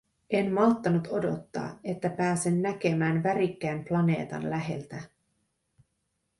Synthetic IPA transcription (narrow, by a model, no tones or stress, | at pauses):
e̞mmɑt̪ːɑnut̪o̞do̞̰t̪ːɑ̰ːe̞t̪ːæpæːsenːæk̟e̞mæːnʋæɾikːæːmplɑne̞ːt̪ɑ̰nlæɦe̞̰lt̪æ